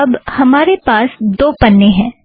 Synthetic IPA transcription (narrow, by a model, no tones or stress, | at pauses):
ɐbhɐmaːɾepaːsd̪oːpɐnːeɦɛ̃ː